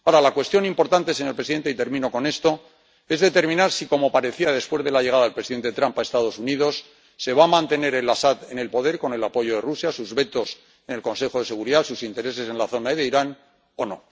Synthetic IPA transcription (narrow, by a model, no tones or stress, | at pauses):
aoɾalakwe̞st̪jo̞nimpo̞ɾt̪ant̪e̞seɲolpɾe̞siðe̞nt̪e̞it̪eɾmĩno̞ko̞ne̞st̪o̞ | e̞zðe̞t̪e̞ɾmĩnaɾsiko̞mo̞paɾe̞θiað̞e̞spwe̞zðe̞laʝeɣaðaðelpɾesiðe̞nt̪et̪ɾampae̞st̪að̞o̞suniðo̞sː | e̞β̞amãnt̪e̞ne̞ɾe̞lasaðe̞ne̞lpo̞ðe̞ɾko̞ne̞lapo̞ʝoðe̞rusjasuzβe̞t̪o̞s | enelko̞nse̞xo̞ð̞e̞se̞ɣ̞uɾiðasusint̪e̞ɾe̞se̞se̞nlaθo̞naiðeiɾan | o̞no̞̰